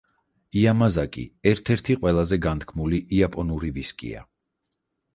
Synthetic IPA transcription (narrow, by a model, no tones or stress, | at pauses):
iamazakʼḭɛɾt̪ʰɛɾt̪ʰiqʼwɛlˠazɛɡant̪ʰkʰmuliʔapʼɔnuɾiviskʼḭa̰